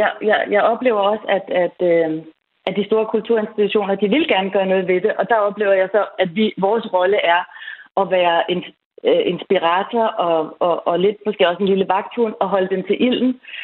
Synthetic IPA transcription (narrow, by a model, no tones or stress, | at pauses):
jɑjɑɪjɑ̈ɪɒ̽b̥le̝̰ːʊɐɒ̽səæd̥æd̥ | æd̥isd̥o̝ːɐkʰult͡sʰuɐ̰e̝nsd̥it͡sʰuɕo̝̰ːnɐd̥iʋe̝lɡ̥æɐnəɡ̥ɶːɐnɔ̽ːð̞̩ˠʋe̝d̥e̝ʔɒ̽d̥ɑ̈ɒ̽b̥le̝̰ːʊɐjɑ̈ɪsɒ̽æd̥ʋiʋɒːsʁɒ̽ləʔæɐʔɒ̽ʋæːɐʔe̝n | øʔe̝nsb̥iʁɑt͡sʰɒʔɒ̽ɒʔːle̝d̥mɔsɡ̥e̝̰ːɒ̽se̝n̩liləʋɑ̈ɡ̥̚t͡sʰunɒ̽ɦɒ̽ləd̥emt͡sʰe̝lʔil̰n̩